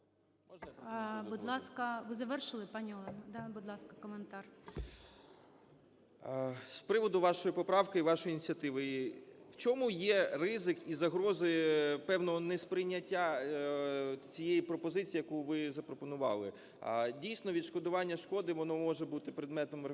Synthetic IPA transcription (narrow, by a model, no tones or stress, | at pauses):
ɔbʊd̪lˠɑskɐʋɪzɐʋɛrʃɪlˠɪpɑnʲiɔlˠɛnɐd̪ɑbʊd̪lˠɑskɐ̥kɔment̪ɑr | spɾɪʋɔd̪ʊʋɑʃɔjipɔpɾɑwkɪiʋɑʃɔjinʲit͡sʲɐt̪ɪʋewt͡ʃʲɔmujɛrɪzɪkizɐɦɾɔzɪpɛwnɔɦɔnɛspɾɪjnʲːɐtʲːa | t͡sʲijejipɾɔpɔzɪt͡sʲijɐkuʋɪzɐpɾɔpɔnʊʋɑ̰lˠɪ̰ | dʲijsʲnɔʋʲid̪ʃkɔd̪ʊʋɑnʲːɐʃkɔd̪ɪʋɔnɔmɔʒebut̪ɪpɾɪd̪mɛt̪ɔmr